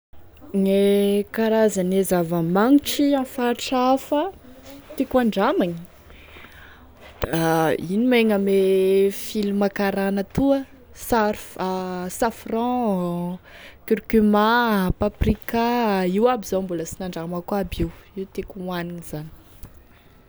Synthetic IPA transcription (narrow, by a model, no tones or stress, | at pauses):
nekaɾazanezavəmaŋiʈ͡ʂiãfaʈ͡ʂafət̪ekaɳɖ͡ʐamaɲi | ainimeŋəmefilumakaɾanət̪uə | saɾfasafrɑ̃ | kyɾkymapaprikaiwabizõmbuləsinaɳɖ͡ʐamakwabiwiwt̪ekuaniniz̥ani̥